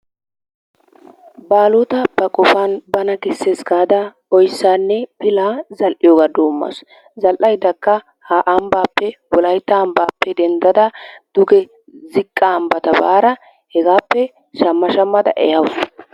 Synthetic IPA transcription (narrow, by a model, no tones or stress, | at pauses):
baːlɔt̪ɐpːɐkʼɔfanbɐnɐkɛsːeːsɡaːd̪ɐ | ɔjsːaːnːɛpɪlaːzɐlʔɪjoːɡaːd̪oːmːɐ̰s | zɐlʔɐjd̪ɐkːɐ | haʔɐmbaːpːɛwɔlɐjt̪ːɐːmbaːpːɛd̪ɛnd̪ɐd̪ɐd̪̥ʊɡɛ | zɪkʼːaːmbɐt̪ɐbaːɾɐ | hɛɡaːpːɛ | ʃɐmːɐʃɐmːɐd̪ɐ̰ʔɛhɐws